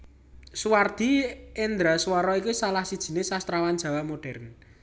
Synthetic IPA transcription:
suward̪̥i̤end̪ɾaswɔɾɔikisalahsid̥ʒ̥i̤nesast̪ɾawan̥d͡ʒ̥ä̤wamoɖ̥ɛ̤rn

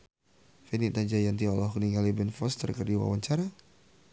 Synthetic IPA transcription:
fenit̪ad͡ʒajant̪iɔlɔhkəniŋɡalibɛnfɔst̪ə̰rkərdiwa̰waɲt͡ʃaɾa

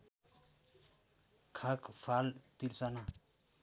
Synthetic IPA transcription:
kʰakpʰalt̪ilsana

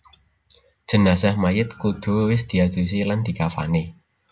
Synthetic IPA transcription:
d̥ʒ̥ə̤nasahmajɪt̪̚kud̪̥o̤wɪsd̪̥i̤ad̥d͡ʒ̥usiland̪̥i̤kafa̰ne

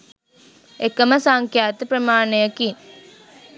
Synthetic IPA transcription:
ekːəməsaŋkjaːt̪ɨpɾəmaːnejəkin

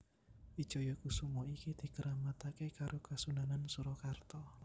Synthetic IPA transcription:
id̥ʒ̥ɔ̤jɔkusumɔikid̪̥i̤kəɾamat̪akekaɾʔokasunanansuɾɔkart̪ɔ

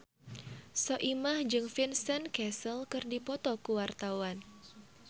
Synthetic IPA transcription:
sɔʔimahd͡ʒɨŋfinsənkɛsəlkɨrdipɔt̪ɔkuwart̪awan

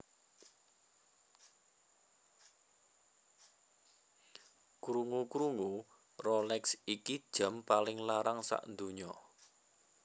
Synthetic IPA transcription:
kɾuŋukɾuŋu | rɔlɛksikid̥ʒ̥a̤mpalɪŋlaɾaŋsa̰ʔnd̪uɲɔ

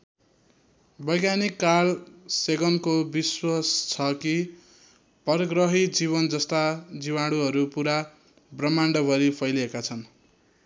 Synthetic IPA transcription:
bʌjɡjanikːalseɡʌnkobiswast͡sʰʌki | pʌrɡrʌɦid͡ziβʌnd͡zʌst̪ad͡ziwaɽuɦʌɾupuɾa | brʌmaɳɖʌbʱʌɾipʰʌjliekat͡sʰʌn

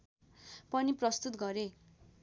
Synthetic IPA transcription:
pʌniprʌst̪ut̪ɡʌɾe

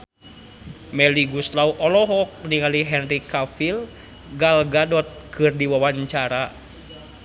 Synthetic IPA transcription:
mɛliɡust̪lauʔɔlɔɦɔk̚niŋaliɦɛnrikafil | ɡalɡadɔt̪̚kʰɨrdiwawaɲt͡ʃaɾa

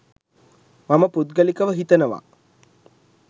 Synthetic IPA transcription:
maməput̪̚ɡəlikəʋəɦit̪ənəʋa̰

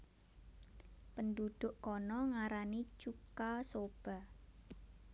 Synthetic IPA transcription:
pəndud̪̥ʊʔkɔnɔŋaɾanit͡ʃukasob̥a̤

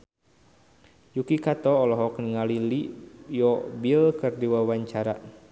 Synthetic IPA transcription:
jukikat̪ɔːlɔɦɔkniŋalilijɔbilkɨrdiwawaɲt͡ʃaɾa̰

